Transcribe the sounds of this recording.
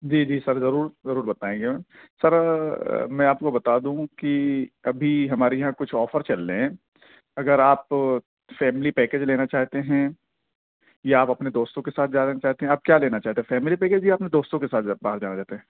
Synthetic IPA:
d͡ʒiːd͡ʒiːsɐɾzɐɾuːɾzɐɾuːɾbɐt̪aːẽːɡẽsɐɾ | mɛ̃ːaːp̚kobɐt̪aːd̪ũkiɐbʱiɦɐmaːɾejɐɦãkʊt͡ʃʰɔːfəɾt͡ʃɐlːeɛ̃ | ɐɡəɾaːp | fɛːmɪlipɛːkeːd͡ʒleːnat͡ʃaːɦt̪eɦɛ̃ | jaaːpɐpned̪oːst̪õkesaːt̪̚ʰd͡ʒaːnt͡ʃaːɦt̪eɦɛ̃aːp̚kjaːleːnat͡ʃaːɦt̪eɦɛ̃fɛːmɪlipɛːkeːd͡ʒijaːɐpnẽd̪oːst̪õkesaːt̪ʰabaːɦəɾd͡ʒaːnat͡ʃaːt̪eɦɛ̃ː

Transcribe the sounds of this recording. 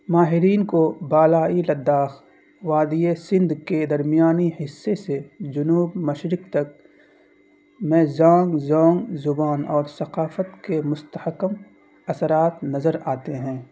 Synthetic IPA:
maːɦɪɾiːnkobaːlaːilɐd̪ːaːx | ʋaːd̪iesɪ̃nd̪ked̪ɐɾmijaːnihɪsːesed͡ʒʊnuːbmɐʃɾɪkt̪ɐk̚ | mɛ̃ːzãːŋɡzɔ̃ːŋɡzʊbaːnɔːɾsɐqaːfət̪kemʊst̪əhəkəm | ɐsəɾaːt̪nɐzəɾaːt̪eɦɛ̃ː

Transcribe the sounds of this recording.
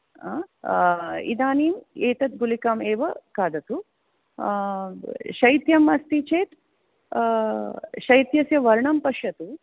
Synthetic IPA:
a̰ː | ḭd̪aːniːmeːt̪ɐt̪̚ɡulikaːmeːʋɐkaːd̪ɐt̪u | ʃɐjt̪jɐmɐst̪it͡ʃeːt̪ | ʃɐjt̪jɐsjɐʋɐɾɳɐmpɐʃjɐt̪u

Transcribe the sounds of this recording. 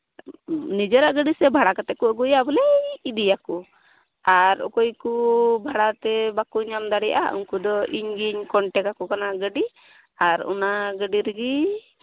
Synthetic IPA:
nid͡ʒɔɾaʔɡəɖisɛbʱaɽakat̪ɛʔ̚kuɔɡujabɔlɛid̪ijaku | aɾɔ̰kɔjkubʱaɽat̪ɛbakuɲamd̪aɽijʔa̰ʔṵɲkud̪ɔʔiɲɡiɲkɔɳʈɛkakɔkanaɡəɖi | aɾṵnaɡəɖiɾəɡi

